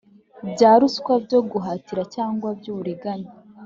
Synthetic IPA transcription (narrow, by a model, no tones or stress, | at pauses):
bɟaːɾuskwabɟoɡuɦaːtiɾacaːŋɡwabjuːβuɾeɡaɲe